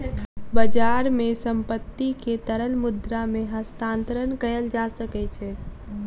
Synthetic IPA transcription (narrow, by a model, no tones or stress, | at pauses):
bəd͡ʒaːɾmẽsəmpət̪ːiket̪əɾəlmʊd̪ɾamẽɦəst̪ãːnt̪əɾənkəjəld͡ʒasəkɛt͡ʃʰɛː